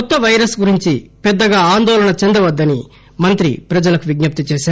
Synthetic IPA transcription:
kɔt̪ːɐʋɐjɾɐsɡuɾiɲt͡ʃipɛd̪ːɐɡaːaːnd̪ɔːlɐɳɐt͡ʃend̪ɐʋɐd̪ːɐni | mɐnt̪ɾḭpɾɐd͡ʒɐlɐkuʋiɡɲɐp̚t̪ɐt͡ʃɛːʃaːɾ

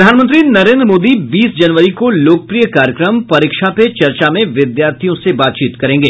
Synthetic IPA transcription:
d̪ʱaːnmənt̪ɾinɐɾẽːnd̪ɾmoːd̪ibiːsd͡ʒɐnʋəɾikoloːk̚əpɾijəkaːɾjəkɾəmpɐɾɪkʃapet͡ʃɐɾt͡ʃamẽʋɪd̪jaːɾt̪ʰijõsebaːt̪t͡ʃiːt̪kɐɾẽːŋɡeː

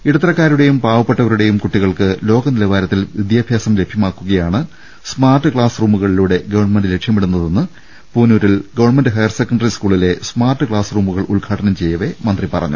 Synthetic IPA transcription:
iɽɐt̪rɐkːaːɾuɽe̞jumpaːʋɐpːeʈːɐʋɐɾuɽe̞jumkuʈːiɣɐɭkɨlo̞ːɡɐnilɐʋaːɾɐt̪ːilʋid̪jaːbʱjaːsɐmle̞bʱjɐmaːkːuɣɐjaːɳɨ | smaːrʈːɨkɭaːsruːmuɣɐɭiluːɽe̞ɡɐʋɐɳmendɨle̞kʂjɐmiɽunːɐðe̞nːɨ | puːnuːɾilɡɐʋɐɳmendɨɦɐjɐrsekːɐɳɖɐriskuːɭile̞smaːrʈːɨkɭaːsruːmuɣɐɭulɡʰʱaːʈɐnɐmt͡ɕe̞jːɐʋe̞mɐnd̪ripɐrɐ̰ɲːṵ

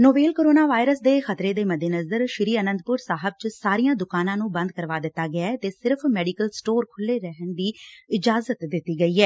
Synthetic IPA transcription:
noːbeːlkoːɾoːnaːʋaːɪɾəsd̪eːxət̪ɾeːd̪eːməd̪eːnəzəɾʃɪɾiːənə̃nd̪̚pʊɾsaːɦəb̚t͡ʃsaːɾijãːd̪ʊkaːnãːnũːbə̃nd̪̚kəɾʋaːd̪ɪt̪ːaːɡɪaɛt̪eːsɪɾpʰmɛːɖiːkəlsʈoːɾkʰʊlːeːɾəɦənd̪iːɪd͡ʒaːzət̪d̪ɪt̪ːiːɡəiːɛː

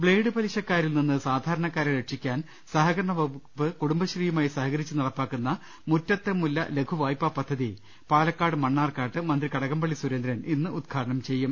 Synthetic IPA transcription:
bɭe̞ːɖɨbɐliɕɐkːaːɾilninːɨsaːd̪ʱaːɾɐɳɐkːaːɾeɾeʈʂikʲːaːn | sɐɦɐɡɐɾɐɳɐʋɐʋɨkuɽumbɐɕriːjumaːjisɐɦɐɣɐɾit͡ɕːɨnɐɽɐpːaːkːunːɐ | mutːɐt̪ːe̞mulːɐ̰le̞ɡʰuʋaːjpːɐpɐd̪ʱːɐði | paːlɐkːaːɽɨmɐɳːaːrkaːʈːɨmɐnd̪rikɐɽɐɣɐmbɐɭisuɾend̪ɾɐninːɨʔud̪̚ɡʰʱaːɾɐɳɐmt͡ɕe̞jːum

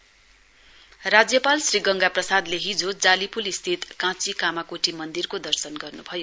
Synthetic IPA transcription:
rad͡zjʌpalsriɡʌŋɡaprʌsad̪leɦid͡zod͡zalipulist̪ʰit̪kãt͡sikamakoʈimʌnd̪irkod̪ʌrsʌnɡʌrnubʱʌjo

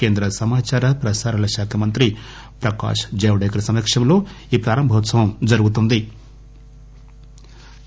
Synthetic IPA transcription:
keːnd̪ɾɐsɐmaːt͡ʃaːɾɐpɾɐsaːɾɐlɐʃaːkʰɐmɐnt̪ɾi | pɾɐka̰ːʂd͡ʒeːʋɽɐjkɐɾɐsɐmekʂɐmlo̞ː | iːpɾaːɾɐmbʱɐʋɐt̪sɐʋɐmd͡ʒɐɾuɡut̪̬und̪i

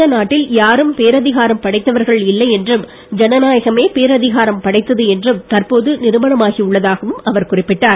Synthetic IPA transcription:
ɐnaːʈːɪljaːɾɯmpeːɾɐðɪɣaːɾɐmpɐɽɐɪt̪ːɐʋɐɾɣɐɭɪlːɐɪɛndrɯm | d͡ʒɛnɐnaːjɐɣɐmeːpeːɾɐðɪɣaːɾɐmpɐɽɐɪt̪ːɐðɯɛndrɯmt̪ɐrpoːðɯnɪɾɯmɐɳɐmaːɣiʊɭːɐðaːɣɐʋɯmɐʋɐɾkʊrɪpːɪʈːaːɾ

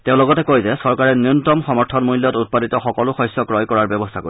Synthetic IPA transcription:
tẽʊ̃lɔɡɔtɛkojzɛsɔɹkaɹɛniuntɔmxɔmɔɹtʰɔnmujljɔtut̚paditɔxɔkɔlʊxɔjsɔkɹɔjkɔɹaɹbɔbɔstʰako̰

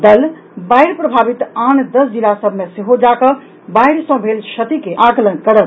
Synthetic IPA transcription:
d̪əl | baiɽpɾəbʱabit̪and̪əsd͡ʒilasəbʱmeseɦod͡ʒakə | baiɽsə̃bʱelt͡ʃʰət̪ikeʔãɡlənkəɽət̪

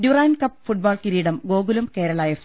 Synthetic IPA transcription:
duraːnkɐpːfuʈ̚baːɭkiɾiːɽɐmɡoːɡulumkeːɾɐlaːjɐf

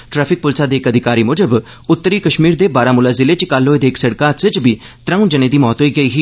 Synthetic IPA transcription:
ʈɾɛːpʰɪk̚pʊlsaːd̪eːkəd̪ʱɪkaːɾiːmʊd͡ʒəb | ʊt̪ːəɾiːkəʃmiːɾd̪eːbaːɾaːmʊlaːzɪleːt͡ʃkaloːed̪eːksəɽkaːsɪt͡ʃbiː | t̪ɾə̃ũːd͡ʒəneːd̪iːmɔːt̪ɦoːiːɡəiːɦiː

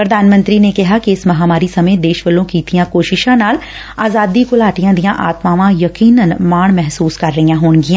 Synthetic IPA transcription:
pɾɐd̪ʱaːnmə̃nt̪ɾinekɐɦakiɪsmɐɦaːmaːɾisɐməjd̪eːʃʋəlõkiːt̪ijãkoːʃɪʃãnaːl | aːzaːd̪ikolaːʈijãd̪ijãʔaːt̪maːʋãjɐkiːnənmaːɳ̃mɛɦsuːskɐɾːɐɦijãɦoːɳɡijãː

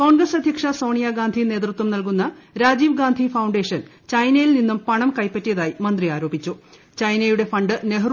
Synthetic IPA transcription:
ko̞ːɳɡrɐsɐd̪ʱjɐkʂɐso̞ːɳijaɡaːnd̪ʱine̞ːt̪rut̪wɐmnɐlk̬unːɐɾaːd͡ʑiːʋɡaːnd̪ʱifɐwɳɖe̞ːʂɐn | t͡ɕɐjnɐjilninːumpɐɳɐmkɐjpːɐtːijɐðaːjimɐnd̪riaːɾo̞ːbit͡ɕːu | t͡ɕɐjnɐjuɽe̞fɐɳɖɨneɦ

